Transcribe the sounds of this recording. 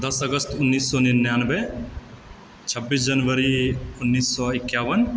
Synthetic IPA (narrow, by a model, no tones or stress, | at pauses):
d̪ɐsɐɡəst̪ʊnːiːsːɔnɪnjaːnbe | t͡ʃʰəbːiːs̬d͡ʒənʋəɾiʊnːiːsːɔɪkːjaːʋən